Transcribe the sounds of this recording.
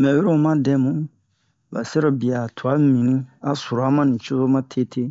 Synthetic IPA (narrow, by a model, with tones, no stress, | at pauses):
mɛ̃˨we˦ɾo˦mã˦dɛ˦mũ˨˦ | ba̰˨sɛ˦ɾo˨bi˨a˨tʰu˨a˨˦mĩ˨nĩ˦a˦su˨ɾa˦mã˦nĩ˨t͡ʃo˦zo˦mã˦tʰe˦tʰe˦